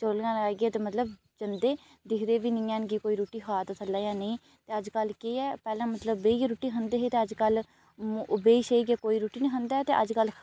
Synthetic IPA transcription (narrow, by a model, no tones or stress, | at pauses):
t͡ʃoːlɡãːlaːɡeːt̪eːmət̪ləb̚ | t͡ʃənd̪eː | d̪ɪkʰd̪eːʋiːnɪ̃ːãːnkikoːiːɾuːʈiːxʰaːt̪ːt̪ʰəlːaːjãːnəĩː | t̪eːəd͡ʒkəlkeːɛːpɛːlãːmət̪ləbːeːiɾuːʈiːɦənd̪eːɦeːt̪eːəd͡ʒkəl | m̃ːʔʊbeːiʃeiɡeːkoːiːɾuːʈiːnĩːɦənd̪aːt̪eːʔəd͡ʒkəl